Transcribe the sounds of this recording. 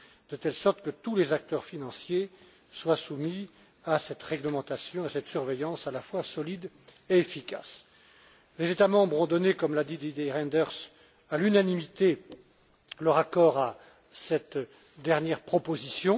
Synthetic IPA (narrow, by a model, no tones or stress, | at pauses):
d̪̥ət̪ɛlsɔʁt̪kət̪ulezak̚t̪œʁfinɑ̃sje | swasumi | asɛt̪ʁɛɡləmɑ̃t̪asjɔ̃asɛt̪syʁvejɑ̃salafwasɔlid̪ | eːfikʲa̰s | lezet̪amɑ̃bʁɔ̃d̪ɔnekɔmlad̪id̪id̪eʁɛ̃nd̪ɛʁs | alynanimit̪e | ləʁakɔʁa | sɛt̪ | d̪ɛʁnjɛʁpχɔpozisjɔ̃